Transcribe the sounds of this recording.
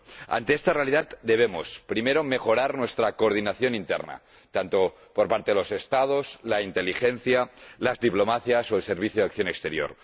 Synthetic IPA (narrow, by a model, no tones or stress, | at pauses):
a̰nt̪eest̪are̞aliðat̪d̪eβ̞emo̰spɾimeɾomexo̞ɾaɾnwest̪ɾakoːɾðinaθjo̞nint̪ḛrna̰ | t̪ant̪o̞ | poɾpaɾt̪eðelo̞sest̪að̞oslaint̪elixenθjalazðiplomaθjasoelseɾβ̞iθjoðakθjo̞nekst̪eɾjo̰ɾ